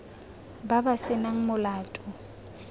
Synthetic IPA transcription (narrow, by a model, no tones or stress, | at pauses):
babasɪnaŋ̩mʊlaːtʼʊ